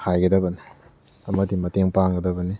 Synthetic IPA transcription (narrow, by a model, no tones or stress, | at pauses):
hajɡɐdɐbɐni | ɐmɐdimɐteŋpaŋɡɐdɐbɐni